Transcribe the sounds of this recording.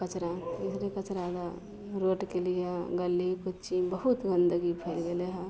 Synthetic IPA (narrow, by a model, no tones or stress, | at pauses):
kət͡ʃɾaisɾekət͡ʃɾãd̪a | ɾoʈkelijeɡəlːikʊt͡ʃt͡ʃibəɦut̪ɡənd̪əɡipʰelɡeleɦɛ̃